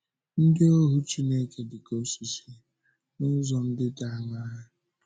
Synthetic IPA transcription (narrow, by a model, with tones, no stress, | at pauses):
n̩˦dɪ˦o˦ɦu˦t͡ʃi˦ne˦ke˨dɪ˨ko˦si˨si˨ | nʊ˦zɔ˨n̩˦dɪ˦da˦˨˦ŋa˦ɦa˦